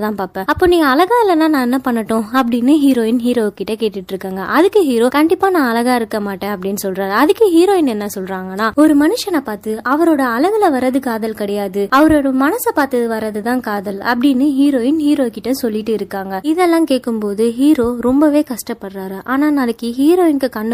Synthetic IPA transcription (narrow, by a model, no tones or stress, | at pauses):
t̪ãːpaːpɛ̃ːɐpːoːniːŋɡɐːlɐɣaːɪlɐnãːnãːɛnːɐpɐɳːɐʈːʊ̃ɐp̬ːɐɽɪnːɯɦiːɾoːjɪnɦiːɾoːkːɪʈːɐkeːʈːɪʈːɪɾɯkːaːŋɡɐʔɐðɯkːɯɦiːɾoːkɐɳɖɪpːaːnãːɐlɐɣaːɪɾɯkːɐmaːʈːẽːɐp̬ːɐɽɪnːɯsɔlɾaːɾɐðɯkːɯɦiːɾoːɪnɛnːɐsɔlɾaːŋɡɐnːaːɔɾɯmɐnɯʂɐnɐpaːt̪ɯɐʋɐɾoːɽɐɐlɐʋɪlɐʋɐɾɐðɯkaːðɐlkɐɽɛjaːðɯɐʋɐɾoːɽɐmɐnɐsɐpaːɾt̪ɐðɯʋɐɾɐðɯt̪ãːkaːðɐlɐ̰pːɐɽɪnːɯɦiːɾoːjɪnhiːɾoːkɪʈːɐsɔlːɪʈːɯɪɾɯkːaːŋɡɐɪðɛlːãːkeːʈkːɯmpoːðɯɦiːɾoːɾɔmbɐʋeːkɐʂʈɐpːɐɽraːɾɯʔaːnaːnɐnɐkːɯɦiːɾoːɪnkɯkɐɳː